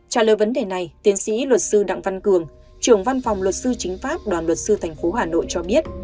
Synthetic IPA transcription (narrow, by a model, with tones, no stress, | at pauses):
t͡ɕa̰ː˧˩ləː˨˩jvə˨˦nɗe˨˩na˨˩jt̪i˨˦ənsḭ˧˥lwə˨˩t̚sɨ˧ɗa̰˧˨ŋva˧nkɨ˨˩əŋ | t͡ɕɨ˧˩əŋva˧nfɔ˨˩wŋ͡mlwə˨˩t̚sɨ˧t͡ɕï˨˦ŋ̟faː˦˥p̚ɗwaː˨˩nlwə˨˩t̚sɨ˧t̪ʰɛ˨˩jŋ̟fo˨˦ɦaː˨˩no̰˧˨jt͡ɕɔ˧ɓi˦˥ət̚